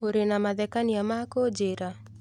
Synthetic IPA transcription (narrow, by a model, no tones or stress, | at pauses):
oɾenamad̪ɛkaniamakod͡ʒeɾa